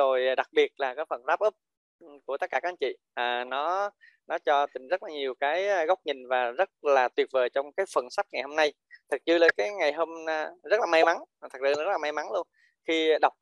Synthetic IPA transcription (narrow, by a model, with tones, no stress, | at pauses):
o˨˩jɗa˨˩k̚ɓi˨˩ət̚laː˨˩kaː˨˦jfə˧˩nɗaː˦˥p̚ʔə˦˥p̚ | ku˧˩ət̪ə˦˥kaː˧˩kːa˧˥ʔt͡ɕḭ˧˨ | ʔaː˨˩nɔ˨˦ | nɔ˨˦t͡ɕɔ˧t̪ï˨˩ŋ̟zə˦˥t̚laː˨˩ɲi˨˩əwkaː˨˦jɣa˦˥wk͡p̚ɲï˨˩ŋ̟vaː˨˩zə˦˥t̚laː˨˩t̪wi˨˩ət̚vəː˨˩jt͡ɕɔ˧wŋ͡mkaː˨˦jfə˨˩nsa˦˥k̚ŋa˨˩jho˧mna˧j | t̪ʰɨ˨˩k̚t͡ɕɨ˧ləː˨˩kaː˨˦jŋa˨˩jɦo˧ma˧zə˦˥t̚laː˨˩ma˧jma˨˦n˩t̪ʰə˨˩k̚zɨ̰˧˨˩zə˦˥t̚laː˨˩ma˧jma˨˦nlu˧ən | xi˧ɗa˨˩wk͡p̚